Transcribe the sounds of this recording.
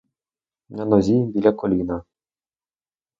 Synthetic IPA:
mnʲanɔzʲibʲilʲakɔlʲina

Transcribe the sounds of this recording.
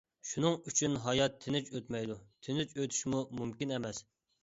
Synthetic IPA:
ʃunɨŋyt͡ʃʰynɦɑjɑt̪ʰːɪnɪt͡ʃøt̪mɛjd̪ut̪ʰɪnɪt͡ʃøt̪ʰy̥ʃmumumkʲinɛmɛs

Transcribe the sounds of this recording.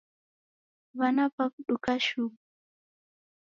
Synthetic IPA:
βanapakuɗukaʃumu

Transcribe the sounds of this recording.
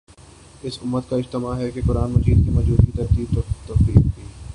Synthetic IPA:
ɪsʊmːət̪kaɪd͡ʒt̪ɪmaɦɛkekʊɾaːnmɐd͡ʒiːd̪kimɐd͡ʒbuːt̪kit̪ɐɾk̪iːb̚t̪ɔt̪ɐfiːkːiː

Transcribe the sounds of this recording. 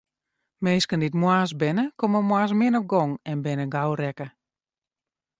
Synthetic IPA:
meːskənditmwaːs̬bɪnəkoməmwaːs̬mɪnɔp̚ɡɔŋɛnbɪnəɡawɾɛkə

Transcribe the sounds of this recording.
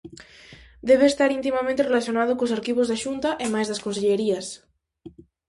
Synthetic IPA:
d̪eβeːst̪aɾint̪̬imamẽnt̪erelaθjonað̞okosaɾkiβ̞ozðaʃunt̪aʔemajzðɐskonseʎeɾias

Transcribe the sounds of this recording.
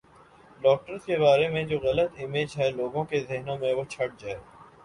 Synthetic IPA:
ɖɔːk̚ʈəɾzkebaːɾemẽd͡ʒoːɣɐlət̪ɪmeːd͡ʒɦɛloːɡõkezɪɦnõmẽʋot͡ʃʰɐʈ̚d͡ʒaːeː

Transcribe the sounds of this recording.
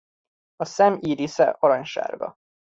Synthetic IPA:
ɒsɛmiːɾisɛ̰ʔɒɾɒɲʃa̰ːrɡɒ̰

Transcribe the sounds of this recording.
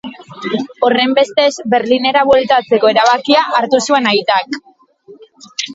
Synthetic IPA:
o̞re̞mbe̞st̪e̞zbe̞ɾline̞ɾaβwelt̪at͡se̞ko̞e̞ɾaβ̞akiaʔaɾt̪usue̞najt̪ak

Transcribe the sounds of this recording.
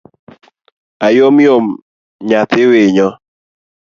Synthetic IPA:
ajomjom | ɲat̪ɪweɲɔ

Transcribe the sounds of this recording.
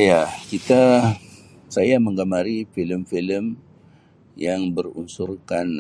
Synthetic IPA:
jakit̪a | sajaməŋɡamaɾifiləmfiləm | jaŋbərunsurkan

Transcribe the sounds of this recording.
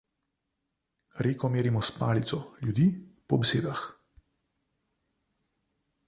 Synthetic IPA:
ɾeːkɔmeːɾimɔspaːlit̪sɔljud̪iːpɔbeseːd̪ax

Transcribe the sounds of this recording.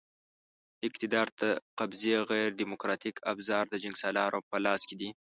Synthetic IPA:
ɪqt̪ɪd̪ɑɾt̪aqabzeɣajɾd̪imʊkɾɑt̪ikʰa̰bzɑɾd̪əd͡ʒaŋɡsɑlɑɾopəlɑsked̪i

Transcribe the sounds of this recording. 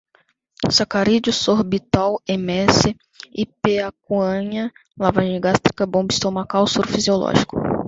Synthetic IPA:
sakaɾid͡ʒʊsoɾbit̪awemɛsɪ | ipeak̚uɐ̃ɲɐlavaʒ̃ɡast̪ɾikɐbõbist̪omɐkawstuɾʊfiziolɔ̰ʒikʊ

